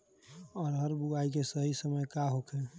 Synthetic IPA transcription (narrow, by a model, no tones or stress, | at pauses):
ɔːɾɦəɾbuaikesəɦisəməjkaɦokʰe